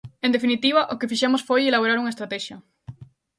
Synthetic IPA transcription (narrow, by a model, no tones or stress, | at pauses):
ẽnd̪efinit̪iβ̞aʔokefiʃemosfojelaβ̞oɾaɾuŋaest̪ɾat̪ɛʃjɐ